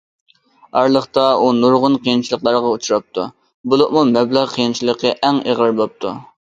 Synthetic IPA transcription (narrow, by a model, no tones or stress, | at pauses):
ɑɾlˠəχt̪ɑunuɾʁʊnqʰijint͡ʃʰilˠəqlˠɑɾʁɑut͡ʃʰuɾɑp̚t̪ʰu | bulˠʊqmumɛblæʁqʰijint͡ʃʰilˠəqəʔɛŋeʁəɾbop̚t̪ʰu